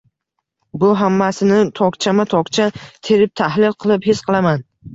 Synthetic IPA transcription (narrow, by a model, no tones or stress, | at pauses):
bʊɦamːasɪnɪt̪ʰɒkt͡ʃʰamat̪ʰɒkt͡ʃʰat̪ʰe̞ɾɪp̚t̪ʰahlɪlqʰɨlˠɪphesqʰɨlˠaman